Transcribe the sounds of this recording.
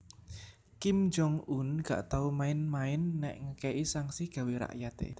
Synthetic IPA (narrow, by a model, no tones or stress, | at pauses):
kimd͡ʒɔŋunɡ̥a̰ʔt̪aumaɪnmaɪnːɛ̰ʔŋəkɛʔisaŋsihɡ̥ä̤wiɾa̰ʔjat̪ḛ